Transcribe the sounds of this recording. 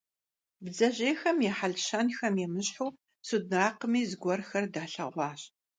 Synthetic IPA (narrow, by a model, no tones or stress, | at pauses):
bd͡zɐʑeːxɐmjɛħaɮʃɐnxɐmjɛmɨɕħuː | sud̚raːqəmiːzɨɡʷɔrxɐrdaːɬɐʁʷɑːɕ